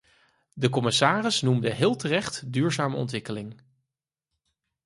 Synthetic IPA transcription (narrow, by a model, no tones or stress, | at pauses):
dəkɔmɪsaːrɪsnumdəɦɪːlˠtərɛχtdyːɹzaːməɔ̰ntʋɪkəlɪŋ